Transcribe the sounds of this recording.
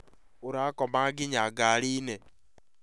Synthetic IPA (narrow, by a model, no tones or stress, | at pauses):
ʊɾakɔmaɡɪɲaɡaɾine